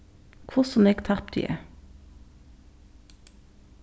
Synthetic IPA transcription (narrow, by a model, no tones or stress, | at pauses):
kʰʊsɔm̩eːɡt̪ʰɑʁp̚d̪y̰ːʔḛ